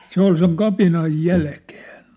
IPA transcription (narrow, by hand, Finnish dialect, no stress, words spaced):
se ol seŋ kɑpinɑj jælke̥ːn̥